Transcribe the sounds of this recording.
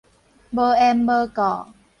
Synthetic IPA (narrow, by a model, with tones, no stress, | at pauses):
bə˧ɛ˧mbə˧kɔ˨